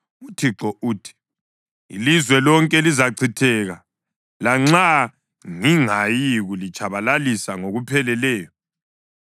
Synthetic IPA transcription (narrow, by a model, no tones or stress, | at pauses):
utʰiǁɔʔuːtʰi̥ | ḭlizwɛlɔŋkʼɛlizaǀʰitʰɛɣa | laŋ͡ǁa | ŋiŋajiɣulit͡ʃʼaβalalisaŋoɣupʰɛlɛlɛːjɔ